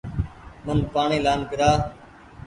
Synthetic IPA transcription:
mənpaːɳiːlaːnɡɪɾaː

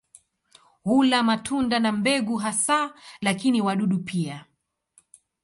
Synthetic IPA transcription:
hulamatʰundanambɛɡuɦasalakiniwaɗuɗupʰia

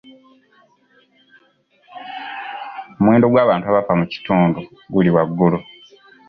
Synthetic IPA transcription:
omweːndo̞ɡwaːβaːntuaβafamuci̥tuːndu | ɡuliwaɡːulu

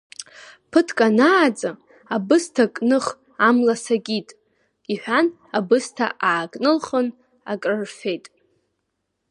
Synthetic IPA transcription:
pʰɨtʰkʼanaːd͡zʼɨ | abɨstʰakʼnɨχ | amlasaɡʲitʼ | iħʷᶣan | abɨstʰa̰ʔaːkʼnɨlχən | a̰kʼrɨrfᶣe̞jtʼ

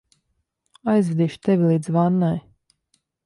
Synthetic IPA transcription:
ajzvɛd̪iːʃt̪ɛvʲilˠiːd̪zvanːaj

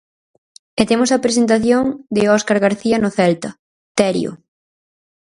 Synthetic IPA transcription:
et̪emʊsɐpɾes̬ent̪aθjoŋd̪ɪɔskaɾɣaɾθiɐnoθɛlt̪ɐ | t̪ɛɾj̰o̰

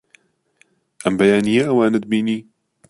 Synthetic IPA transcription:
ʔɛmbɛjaːnijeʔɐwaːnɛd̪̚biːniː

